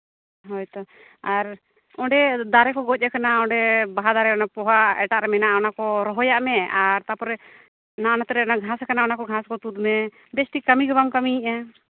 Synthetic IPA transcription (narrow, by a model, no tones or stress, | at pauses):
ɦɔjt̪ɔ | aɾ | ɔɳɖɛd̪aɾɛkɔɡɔc̚ˀɛkanaɔɳɖɛbaɦad̪aɾɛɔnapɔɦaɛ̰ʈaʔɾɛmɛnaʔɔnakɔɾɔɦɔjaʔmɛaɾt̪apɔɾɛ | naʔɔnat̪ɛɾɛɔnaɡʱaskanaɔnakɔɡʱãskɔt̪ud̪mɛ | bɛsʈikamiɡɔbamkamiːʔa